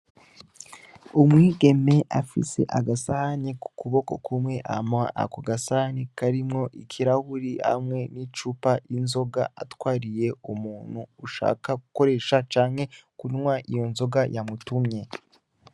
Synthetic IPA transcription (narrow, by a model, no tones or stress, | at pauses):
umwiːɡe̞me̞ʔafḭse̞̰ʔaɡasahaniku̥kuβo̞ko̞kʰumŋe̞ʔa̰maa̰ʔa̰kuɡasahanikaɾimŋo̞ʔikʰiɾahuɾiha̰mŋe̞nit͡ʃupaʔinzo̞ɡa̰ʔatwaːɾije̞umuːn̥huːʃa̰ːkakuko̞ɾe̞ːʃat͡ʃaːŋhe̞kunŋwaʔijo̞nzo̞ɡajamutumɲe̞